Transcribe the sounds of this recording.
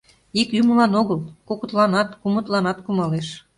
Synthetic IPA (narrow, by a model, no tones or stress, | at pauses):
ikjyməlɑnoɣəlkokət̪lɑnɑt̪kumə̆t̪lɑnɑt̪kumɑleʃ